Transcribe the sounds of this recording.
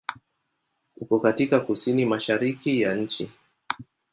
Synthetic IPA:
hukɔkatikakusinimaʃaɾikijaɲ̩t͡ʃi

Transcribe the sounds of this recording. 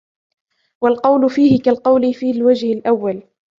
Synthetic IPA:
walqɑwlʊfiːhɪkalqɑwlɪfiːlwad͡ʒhɪlʔawːal

